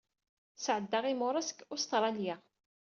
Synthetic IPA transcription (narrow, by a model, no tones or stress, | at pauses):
sʕəd̪ːaʁimʊɾˤɑskʊst̪ɾˤɑlja